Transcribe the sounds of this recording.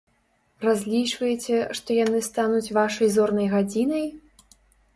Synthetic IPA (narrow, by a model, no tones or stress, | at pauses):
razʲlʲit͡ʂvɐjɛt͡sʲɛʂt̪ɔjanɨst̪anut͡sʲvaʂɐjzɔrnɐjɣad͡zʲinɐj